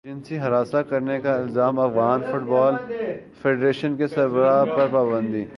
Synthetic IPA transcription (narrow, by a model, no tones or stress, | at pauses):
d͡ʒɪ̃nsiɦɐɾaːsakɐɾnekaɪlzaːmɐfɣaːnfʊʈbɔːl | fʰeːɖɾeːʃənkesɐɾbəɾapɐɾpaːbə̃nd̪iː